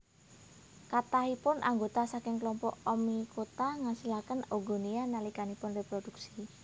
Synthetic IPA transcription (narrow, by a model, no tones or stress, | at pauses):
kat̪aɦipʊnʔa̰ŋɡot̪asakɪŋklɔmpɔʔɔmikot̪aŋasilakənoɡo̤nianalikanipʊnrepɾoduk̚si̥